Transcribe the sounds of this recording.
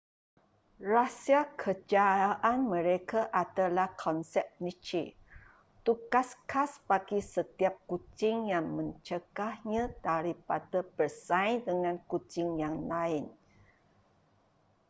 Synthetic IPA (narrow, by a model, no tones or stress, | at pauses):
rasiakʰəd͡ʒaaʔanmə̃ɾekaʔadalahkʰɔnsɛp̚nit͡ʃi | t̪ukaskʰaspaɡisət̪iap̚kut͡ʃɪŋjaŋmə̃ɲt͡ʃəɡ̥ahɲãdaɾipadəb̥ərsajdəŋãnkut͡ʃɪŋjaŋlaɪn